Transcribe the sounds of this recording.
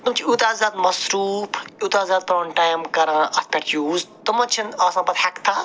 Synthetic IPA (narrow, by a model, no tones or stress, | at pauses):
t̪umt͡ʃʰiut̪aːzaːd̪mɐsɾuːfʰut̪aːzaːd̪̚pɾɐɳʈaːjmkɐɾãɐt̪ʰpʲɐʈjuːzt̪umɐt͡ʃʰinaːsãːpɐt̪ħɐkt̪ʰaː